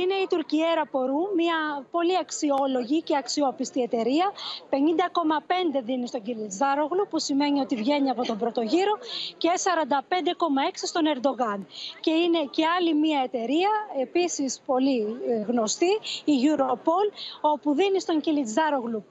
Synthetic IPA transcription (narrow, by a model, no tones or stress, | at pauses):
ine̞it̪uɾcie̞ɾɐpo̞ɾumiɐpo̞liɐksio̞lo̞ʝice̞ɐksio̞pist̪ie̞t̪e̞ɾiɐpe̞nind̪ɐko̞mɐpe̞nd̪e̞ðinist̪oɲɟilizðɐɾoɣlupusime̞nio̞t̪ivʝe̞niɐpo̞t̪o̞mbɾo̞t̪o̞ʝiɾo̞cesɐɾɐnd̪ɐpe̞nd̪e̞ko̞mɐe̞ksist̪o̞ne̞ɾd̪o̞ɣɐnce̞ine̞ce̞ɐlimiɐe̞t̪e̞ɾiɐe̞pisispo̞liɣno̞st̪iːʝuɾopo̞lo̞puðinist̪o̞ɲɟilid͡zðɐɾoɣlu